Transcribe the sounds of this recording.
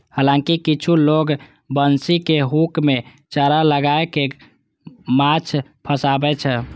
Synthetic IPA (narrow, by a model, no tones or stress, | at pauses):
həlãkikit͡ʃʰuloɡ | bənsikeɦukme | t͡ʃəɾaləɡaeke | mat͡ʃʰpʰəsabɛt͡ʃʰɛ